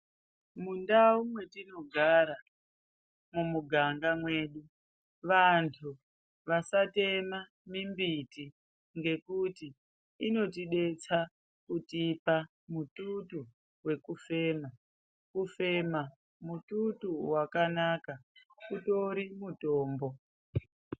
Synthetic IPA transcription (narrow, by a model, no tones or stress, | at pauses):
mundaumwe̞tino̞ɡʱaɾa | mumuɡʱaŋɡamweːɗu | ʋantʰu | ʋasate̞ma | mimbiti | ŋɡe̞kutiː | no̞tiɗe̞t͡sa | kutiipa | mututu | we̞kufe̞ːma | kufe̞ma | mututuwakanakakuto̞ɾimutoːmbo̞